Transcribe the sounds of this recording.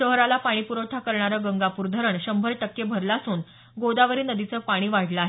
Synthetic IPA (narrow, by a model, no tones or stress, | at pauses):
ɕəɦɾalapaɽ̃iːpuɾəwt̪ʰakəɾɳaɾəːɡəŋɡapuːɾd̪ʱəɾəɳɕəmbʱəɾʈəkːebʱəɾlasuːn | ɡod̪aʋəɾiːnəd̪it͡səːpaɽ̃iːʋaɽləaɦe